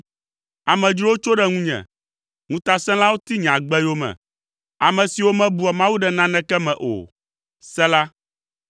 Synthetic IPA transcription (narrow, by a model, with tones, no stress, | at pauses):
a˨mɛ̃˨d͡ʒɾi˦o˦t͡ʃo˦ɖɛ˦ŋũ˦ɲɛ̰̃˨ | ŋũ˦t̪a˨sɛ̃˦la˦wo˦t̪i˦ɲã˨ɡ͡bɛ˦jo˦mɛ̰̃˨ | a˨mɛ̃˨si˨wo˦mɛ̃˦bu˨a˨mã˦wu˦ɖɛ˨nã˦nɛ̃˦kɛ˦mɛ̃˨ʔo̰˨ | sɛ̃˦la˦